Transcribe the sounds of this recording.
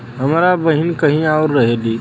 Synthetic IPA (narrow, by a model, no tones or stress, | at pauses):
ɦəmɾabəɦinkəɦĩaʊɾːəɦeliː